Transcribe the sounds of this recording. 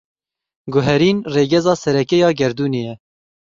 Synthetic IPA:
ɡʊɦɛɾiːnreːɡɛzɑːsɛɾɛkɛjɑːɡɛɾd̪uːneːjɛ

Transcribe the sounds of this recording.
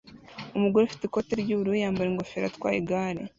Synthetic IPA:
umuɡoɾeufi̥tekoteɾɟuːβuɾuijaːmbaɾeŋɡofeɾa̰tkwa̰ːjiɡaːɾḛ

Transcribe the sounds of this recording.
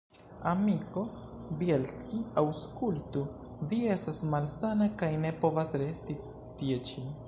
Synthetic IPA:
amiko̞bielskiawskultu | vie̞stasmalsanakajne̞po̞vasɾe̞sti | tie̞t͡ʃin

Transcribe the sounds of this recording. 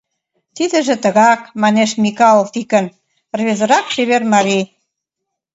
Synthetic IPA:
t̪id̪ə̆ʒĕt̪ə̆ɣɑkmɑneʃmʲikɑlˠoft̪ikə̆n | rβezə̆ɾɑkʃeβermɑɾi

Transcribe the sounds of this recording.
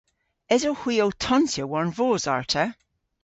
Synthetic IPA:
ɪzohwiːotʰɔnsjəwɔɹnvoːza̰ɹtʰə

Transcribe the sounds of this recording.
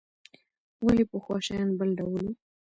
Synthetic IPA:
walipəxwɑʃɑjɑnbəlɖawəlu

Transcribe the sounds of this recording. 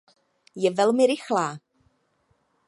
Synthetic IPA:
jɛvɛlˠmɪɾɪxlˠa

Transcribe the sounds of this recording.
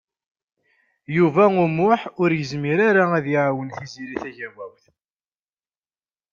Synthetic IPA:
juvæumʊħʊɾjəzmiɾaɾaæðjiʕawənθiziɾiθæʝæwæwθ

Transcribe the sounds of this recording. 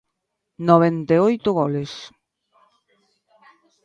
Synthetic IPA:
noβ̞ent̪eojt̪ʊɣɔles

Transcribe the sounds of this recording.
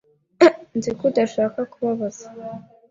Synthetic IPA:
nzikudaʃaːkakuβaβaz̥ḁ

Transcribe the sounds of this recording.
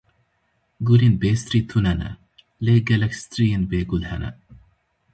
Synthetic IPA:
ɡulinbeːst̪ɾit̪ʰunɐnɐ̰ | leɡɐlɐkst̪ɾijinbeːɡulhɐ̰nɐ̰

